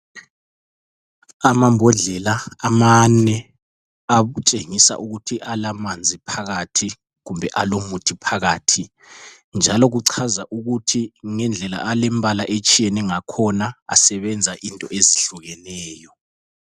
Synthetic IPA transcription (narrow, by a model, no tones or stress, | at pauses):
amambʱɔɮɛlaamanɛ | aβut͡ʃʼeŋisa̰ʔuɣutʰiʔalamand͡zʱipʰaɣatʰi | ɣumbʱɛʔalomutʰipʰaɣaːtʰi | nd͡ʒʱalɔɣuǀʰazaʔuɣutʰiŋɛnd͡ɮʱɛla̰ʔalɛmbʱalaʔet͡ʃʼijɛnɛŋakʰɔnaa̰sɛβɛnd͡zʱaʔintʼɔ̰ʔeziɬuɣɛnɛːjɔ